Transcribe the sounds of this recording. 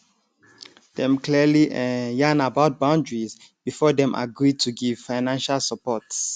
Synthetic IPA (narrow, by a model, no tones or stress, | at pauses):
d̥ɛ̃mkliliʔɛjãnabaʊt̚bãndɹiz | b̥ifɔdɛ̃mʔa̰ɡɹid̚tʰuɡiv̥faɪnãnʃalsəpɔts